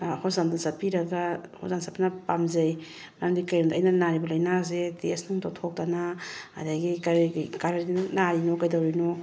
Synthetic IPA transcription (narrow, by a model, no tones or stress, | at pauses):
hozandasɐpiɾɐɡaho̰zansapinɐpamzɐj | mɾamdikajɾɔndɐːjnɐnaɾibɐlɐjnaz̬etesnuŋtotʰok̚tanaɐdaɡikaɾkaɾaɾdnaɾinokajdawɾino